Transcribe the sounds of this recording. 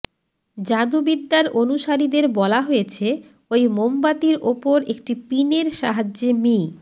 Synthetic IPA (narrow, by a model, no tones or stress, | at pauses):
d͡ʑad̪ubid̪ːaɾonuʃaɾid̪eɾbɔlaɦojet͡ɕʰe | ojmombat̪iɾʔopoɾekʈipineɾʃaɦad͡ʑemi